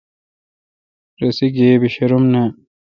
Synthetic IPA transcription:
ɾɐsiɡeːbiɕɐɾumnɐ

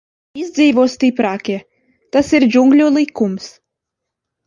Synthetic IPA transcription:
izd̪ziːvɔːst̪iːpɾaːkʲe | t̪asiɾd͡ʒuŋɡlʲuːlˠikums

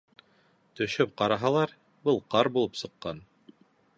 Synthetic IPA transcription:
t̪ɵ̆ʃɵp̚qɑɾɑɦɑlˠɑɾ | bɤlˠqɑɾbulˠɤpsɤ̆qːɑn

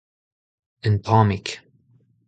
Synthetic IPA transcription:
ɨnpʰɑmik

